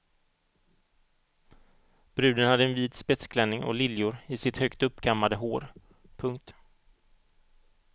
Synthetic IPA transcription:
b̥ɾʉ̟ːd̪ənhad̪ːəɛnviːd̪spɛt̪skʰlɛnːɪŋɔ̰lɪljʊɾɪsɪt̪hœkt̪ɵpːkʰamːad̪əɦoːɾ | pʰɵŋk̚t̪

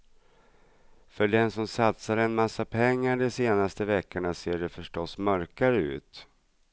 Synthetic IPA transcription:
fœɖɛnsɔmsat̪saɾɛnmasːapʰɛŋːaɖɔseːnast̪əvɛkːəɳaseːɖɛfœʂʈɔsmœɾkaɾəʉ̟̰ːt̪

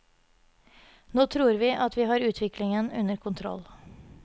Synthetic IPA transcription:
noːt̪ʰɾuːɾʋiːʔɑt̪ʋiːɦɑːɾʉːt̪ʰʋɪklɪŋənʉnəɾkʰʊnt̪ʰɾɔ̰l

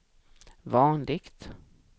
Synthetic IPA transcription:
vɑːnlɪɡt̪

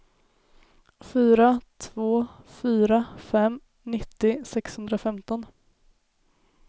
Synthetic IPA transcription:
fyːɾat̪ʰvoːfyːɾafɛmː | nɪt̪ːɪsɛkshɵnd̪ɾafɛmt̪ɔn

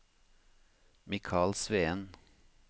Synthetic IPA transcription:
mɪkʰɑːlsʋeːən

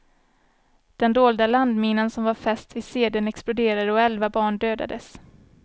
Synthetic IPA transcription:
d̪̥ɛnd̪oːld̪aland̪miːnənsɔmvaɾfɛst̪ɪseːd̪ənɛksplʊd̪eːɾad̪əɔɛlvabɑːɳɖøːd̪a̰d̪əs

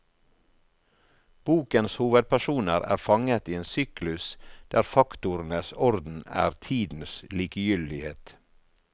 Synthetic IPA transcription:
b̥uːkənshuːʋəd̪̚pʰæʃuːnəɾæ̰ːɾfɑŋət̪iːeːnsyːklʉsd̪̥æːɾfɑkt̪ʊɾn̩əsɔɾd̪n̩æ̰ːɾt̪ʰiːd̪n̩sliːkəjʏld̪ɪheːt̪

